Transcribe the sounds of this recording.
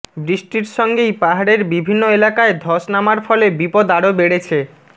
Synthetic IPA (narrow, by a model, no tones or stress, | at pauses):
bɾiʃʈiɾʃɔŋɡejpaɦaɽeɾbibʱinːoelakaed̪ʱɔʃnamaɾfɔlebipod̪aɽobeɽet͡ɕʰe